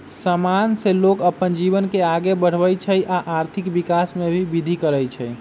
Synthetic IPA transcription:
səmanselokəpənd͡ʒiβənkeaɡebəɽ̤ʋəjt͡ʃʰəjʔaʔaɾt̪ʰikbikasmebʱibid̪ʱikəɾəjt͡ʃʰəj

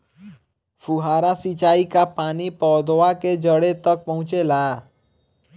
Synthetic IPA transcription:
fuɦaːɾasit͡ʃaːikapaːnipɔːd̪oaked͡ʒəɽet̪ɐk̚pɐɦʊ̃t͡ʃelaː

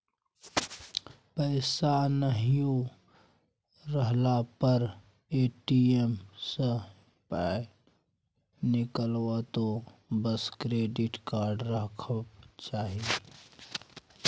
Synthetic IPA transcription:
pəɪsanəɦijõ | ɾəɦlapəɾ | eːʈiemsə | pae | nɪkəlwat̪obəskɾeːɖɪʈkaːɾɖɾəkʰəbt͡ʃaːɦie

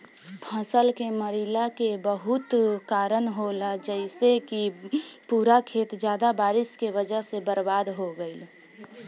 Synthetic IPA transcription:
pʰə̃səlkeməɾilakebəɦʊt̪kaːɾənɦolad͡ʒɛɪsekipuːɾakʰeːt̪d͡ʒjaːd̪abaːɾɪskeʋəd͡ʒəɦsebəɾbaːd̪ɦoɡəi

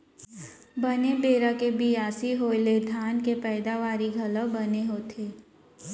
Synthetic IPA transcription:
bənebeːɾakebijaːsiɦoːled̪ʱaːnkepɛːd̪aʋaːɾiɡʱɐləbɐneɦoːt̪ʰeː

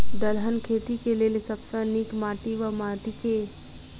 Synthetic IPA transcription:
d̪əlɦənkʰeːt̪ikeleːlesɐbsãniːkmaːʈiʋəmaːʈike

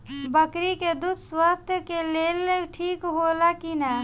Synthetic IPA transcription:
bəkɾiked̪ud̪swast̪ʰjəkeleːleʈʰiːkɦoːlakina

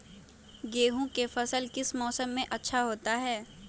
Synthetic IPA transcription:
ɡeːɦõkefɐsəlkɪsmɔːsəmːẽʔɐtːʃʰaɦoːt̪aɦɛː

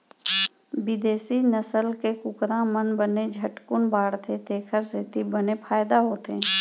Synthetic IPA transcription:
bɪd̪eːsinəsəlkekʊkɾãmənbəned͡ʒʱəʈkʊnbaːɽt̪ʰet̪eːkʰəɾset̪ibənepʰaːjd̪aɦoːt̪eː

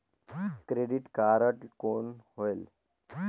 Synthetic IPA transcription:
kɾeɖiʈkaɾəʈkonɦoel

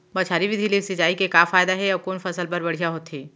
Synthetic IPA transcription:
bɐt͡ʃʰaːɾibʱid̪ʱileset͡ʃaːikekaːfaːjd̪aɦɛɔkoːnfɐsəlpɐɾbɐɽ̤ijaɦoːt̪ɦeː

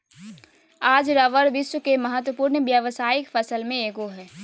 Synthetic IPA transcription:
aːd͡ʒɾɐʋəɾʋɪswəkemɐɦət̪wəpuːɾnʋjəʋsaːɪkfəsəlmẽeːɡoɦɛː

